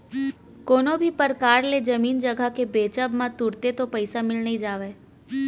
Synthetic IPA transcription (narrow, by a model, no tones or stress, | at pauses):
koːnobʱipəɾkaːɾled͡ʒəmiːnd͡ʒəɡʱakebet͡ʃəbmãt̪uɾt̪et̪opəjsamɪlnəĩd͡ʒaːʋe